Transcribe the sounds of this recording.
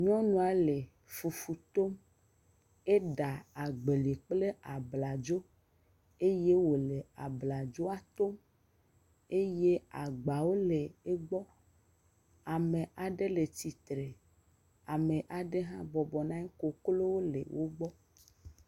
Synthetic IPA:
ɲɔ̃˦nũ˨a˨le˨ | fu˨fu˨t̪o˦m | e˦ɖa˨a˨ɡ͡be˨le˨k͡ple˦a˨bla˨d͡ʒo˦ | e˦je˦wo˨le˨a˨bla˨d͡ʒo˦a˨t̪o˦m | e˦je˦a˨ɡ͡ba˨wo˦le˨e˦ɡ͡bɔ˦ | a˨me˨ʔa˨ɖe˦le˨t̪i˨t̪ɾe˨ | a˨me˨ʔa˨ɖe˦ɦã˦bɔ˨bɔ˨nã˦ko˨klo˦wo˦lḛ˨wʔo˦ɡ͡bɔ˦

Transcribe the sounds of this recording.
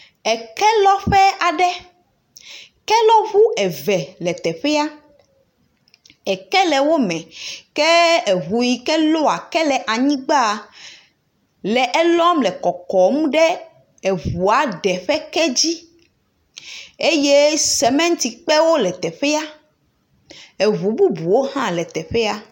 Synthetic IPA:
ɛ˨kɛ˦lɔ˦ɸɛ˦a˨ɖɛ˦ | kɛ˦lɔ˦βu˦ɛ˨vɛ˨lɛ˨t̪ɛ˨ɸɛ˦a˦ | ɛ˨kɛ˦lɛ˨wo˦mɛ̃˨kɛ˦e˨βu˨ji˨kɛ˦lo˦a˨kɛ˦lɛ˨ʔa˨ɲĩ˦ɡ͡ba˦˨ | lɛ˨ʔɛ˦lɔ˦mlɛ˨kɔ˨kɔ˨mũ˦ɖɛ˦ | e˨βu˨a˨ɖɛ˨ɸɛ˦kɛ˦d͡ʑi˦ | e˦je˦sɛ˨mɛ̃˦ŋ̩˦t̪i˨k͡pɛ˦wo˦lɛ˨t̪ɛ˨ɸɛ˦a˦ | e˨βu˨bu˦bu˨wo˦hã˦lɛ˨t̪ɛ˨ɸɛ˦a˦

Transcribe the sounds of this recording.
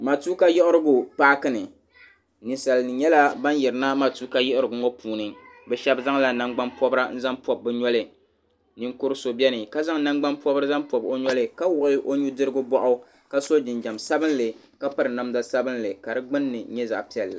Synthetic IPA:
ma˨tu˦ka˦jɛ˦ʔʊ˦ɾɨ˦ɡʊ˨paː˦kɨ˦nɨ˨ | nɨ˨nsa˨lnɨ˨ɲɛ˦la˦ba˦njɛ˨ɾɨ˨na˦ma˨tu˦ka˦jɛ˦ʔɪ˦ɾɨ˨ɡʊ˨ŋɔ˦pʰuː˨nɨ˨ | bɛ˦ʃɛ˦bza˦ŋla˨na˦ŋɡ͡ba˦npɔ˦bɾa˦n̩˦za˦mpɔ˨b̚ːɛ˦ɲɔ˦lɨ˨ | nɨ˦ŋkʊ˦ɾɨ˦so˨bɛ˦nɨ˨ka˦za˦ŋna˦ŋɡ͡ba˦npɔ˦bɨ˦ɾɨ˦za˦mpɔ˨bo˦ɲɔ˦lɨ˦ka˦wʊ˨ʔɪ˦ʔo˦ɲu˦dɨ˦ɾɨ˦ɡʊ˦bɔ˦ʔʊ˦ | ka˦so˦d͡ʒɪ˨nd͡ʒa˨msa˦bɨ˦n˦lɨ˨ | ka˦pa˦ɾɨ˨na˦mza˨sa˦bɨ˦nlɨ˨ka˨dɨ˦ɡ͡bɨ˦nːɨ˨ɲɛ˦za̰˨ʔpi˦ɛ˨lla˨

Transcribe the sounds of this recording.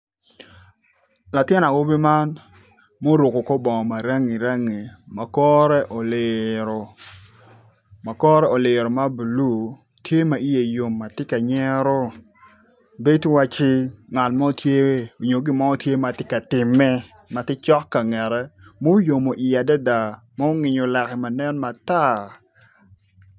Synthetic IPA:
la˨tjɛ˦na˨wo˦bi˦ma˦n | mo˦ɾu˨ko˨ko˦bɔ˨ŋɔ˨ma˨ɾa˦ŋi˨ɾa˦ŋi˨ma˨kɔ˦ɾɛ˦ʔo˨lɪ˨ɾo˨ | ma˨kɔ˦ɾɛ˦o˨lɪ˨ɾo˨ma˦bu˨lu˦˨ | tje˦ma˨i˦je˨jo˨mːa˨tɪ˦ka˨ɲɛ˦ɾɔ˦ | be˦twa˦t͡ʃɪ˦ŋa˨tmɔ˦tje˦wo˨ɲo˨ɡɪ˦mɔ˦ɔ˦tje˦ma˨tɪ˦ka˨tɪ˨mːɛ˦ | ma˨tɪ˦t͡ʃɔ˦kːa˨ŋɛ˨ɾɛ˦mo˦jo˨mo˨ʔi˨ja˨dɛ˦da˨ | ma˦o˦ŋɪ˨ɲo˨lɛ˨kɛ˨ma˨nɛ˦nma˨ta˦˨

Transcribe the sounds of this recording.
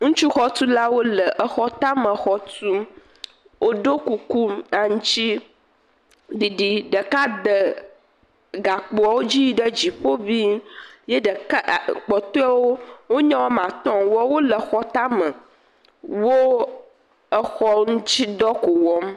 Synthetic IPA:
ŋũ˦t͡ʃu˦xɔ˦t̪u˦la˦wo˦lə˨ʔə˨xɔ˦t̪a˦mə̃˨xɔ˦t̪u˦m | wʔo˦ɖo˦ku˨ku˦mnã˨ŋũ˦t͡ɕi˦ | ɖi˨ɖi˨ɖə˨ka˦d̪ə˨ | ɡa˨k͡po˨a˨wo˦d͡ʑi˦ji˨ɖə˦d͡ʑi˨ɸo˦bi˦je˦ɖə˨kk͡pɔ˨t̪ɔ˦a˦wo˦wo˦ɲã˦wo˦mã˨t̪ɔ̃˦˨mwɔ˦wo˦lə˨xɔ˦t̪a˦mə̃˨ | wo˦ | ə˨xɔ˦ŋũ˦t͡ɕi˦d̪ɔ˦ko˨wɔ˦m

